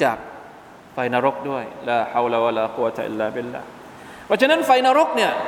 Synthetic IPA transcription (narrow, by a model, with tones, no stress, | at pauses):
t͡ɕaː˨˩k̚ | fa˧jna˧ɾo˦˥k̚du˥˩əjlaː˧ħa˧wla˧wa˧laː˧qu˦wːa˧t̪ʰa˧ʔḭ˦lːaː˨bi˧lːa̰ː˧˩h | pʰɔ˦˧˥t͡ɕʰa˧na˦˥nfa˧jnaː˧ɾo˦˥k̚ni˥˩ɐ